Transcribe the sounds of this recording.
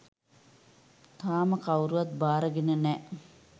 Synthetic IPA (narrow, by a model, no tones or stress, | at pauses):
t̪aːməkawɾuʋat̪̚baːɾəɡenənɛ